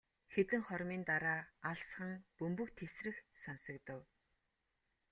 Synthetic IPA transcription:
xet̪ɘ̆ŋχɔɾmiːnt̪aɾaːaɮsχə̆ŋpɵmpɵ̆kt̪ʰesrɘ̆xsɔnsɞ̆kt̪ɞ̆w

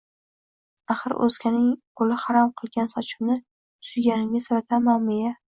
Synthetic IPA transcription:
aχɨɾʔɵ̰z̥kʲʰanɪŋqʰʊlɪhaɾɒmqʰɨlˠɡʲansɒt͡ʃʰɪ̥mnɪ | sʊjɡʲanɪmɡʲasaɾat̪ʰanmɒmɪja

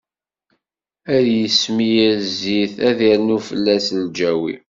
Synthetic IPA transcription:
æðjəsmijæziθæðiɾnufəlːæsld͡ʒæwḭ

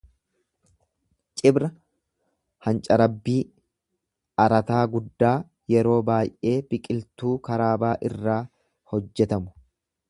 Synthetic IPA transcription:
t͡ʃʼɪbɾɐ | hɐnt͡ʃʼɐɾɐbːiː | ɐɾɐt̪aːɡʊd̪ːaː | jɛɾo̞ːbaːjʔe̞ːbɪkʼɪlt̪uːkɐɾaːbaːʔɪrːaː | hɔd͡ʒːɛt̪ɐmʊ̥

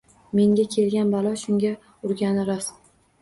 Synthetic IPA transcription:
me̞ŋɡʲakʲʰe̞lɡʲanbalˠɒʃʊŋɡʲa | ʊɾɡʲanɪɾas

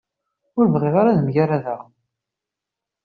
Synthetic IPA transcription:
ʊɾvʁɪʁaɾaðmʝaɾaðaʁ

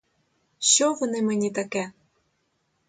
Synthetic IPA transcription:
ɕɔvɔnɪmɛnʲit̪akɛ

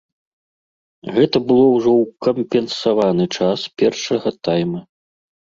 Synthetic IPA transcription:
ɣɛt̪ɐbɨlˠɔwʐɔwkɐmʲpʲɛnsavanɨt͡ʂaspʲɛrʂɐɣɐt̪ajmɐ

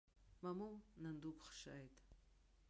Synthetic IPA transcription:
mamumnand̪ukχʃa̰jt̪

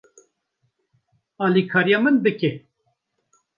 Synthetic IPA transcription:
ɑːlikʰɑːɾijɑːmɨnbɨke

